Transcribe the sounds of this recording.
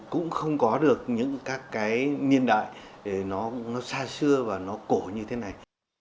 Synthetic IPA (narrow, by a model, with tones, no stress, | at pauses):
kʊ̰˧˥ŋ͡mxə˧wŋ͡mkɔ˨˦ɗɨ˨˩ək̚ɲɨ̰˧˥ŋkaː˦˥kːaː˨˦jɲi˧ənɗa̰ː˧˨jɗe˨˩nɔ˨˦nɔ˨˦saː˧sɨ˧əvaː˨˩nɔ˨˦ko˧˩ɲɨ˧t̪ʰe˨˦na˨˩j